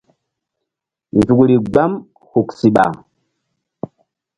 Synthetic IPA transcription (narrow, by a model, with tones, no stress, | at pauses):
nzu˨kɾi˨ɡ͡ba˦m | hu˨ksi˨ɓa̰˨